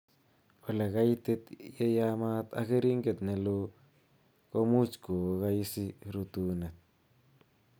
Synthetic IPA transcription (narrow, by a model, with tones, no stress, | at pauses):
wa˨la˨ka˦jt̪e˦t̪je˦ja˦ma˦t̪a̰˦ke˦ɾi˦ŋɡe˨t̪ne˨lo˦ | ko˦mu˦t͡ʃko˨ka˦jsi˦ɾu˨t̪u˦ne˨t̪̚